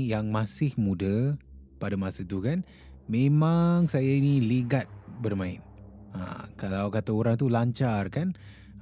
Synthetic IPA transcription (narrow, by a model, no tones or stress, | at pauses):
jaŋmasɪhmudəpadamasət̪ukan | memaŋsajainiliɡat̪̚bərmaɪ̰n | a̰kalawkat̪aoɾaŋt̪ulaɲt͡ʃarkan